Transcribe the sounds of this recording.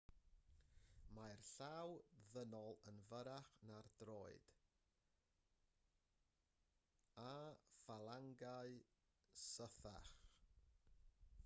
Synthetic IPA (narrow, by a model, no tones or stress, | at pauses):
majrɬawðənɔlˠənvəɾaχnardroːɨd̥ | afalˠaŋɡaɨ | səθa̰χ